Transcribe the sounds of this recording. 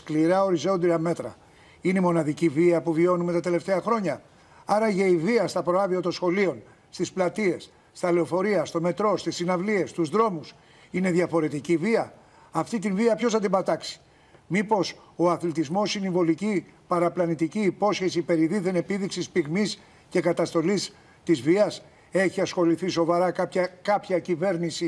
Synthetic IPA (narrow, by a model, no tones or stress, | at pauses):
kliɾɐo̞ɾizo̞nd̪iɾɐme̞t̪ɾɐ̰ | ineimo̞nɐðiciviɐpuvio̞nume̞t̪ɐt̪e̞le̞ft̪e̞ɐxɾo̞ɲɐ | ɐɾɐʝeiviɐst̪ɐpɾoɐðiɐt̪o̞nsxo̞lio̞n | st̪isplɐt̪ie̞s | st̪ɐleo̞fo̞ɾiɐst̪o̞me̞t̪ɾo̞st̪isːinɐvlie̞st̪uzðɾo̞mus | ine̞ðjɐfo̞ɾe̞t̪iciviɐ | ɐft̪it̪inviɐpço̞sɐnd̪ibɐt̪ɐksi̥ | mipo̞so̞ɐθlit̪izmo̞sinivo̞lici | pɐɾɐplɐnit̪iciːpo̞sçe̞sipe̞ɾiðiðe̞ne̞piðiksispiɣmis | ce̞kɐt̪ɐst̪o̞lis | t̪izviɐs | e̞çiɐsxo̞liθiso̞vɐɾɐkɐpçɐkɐpçɐcive̞ɾnisi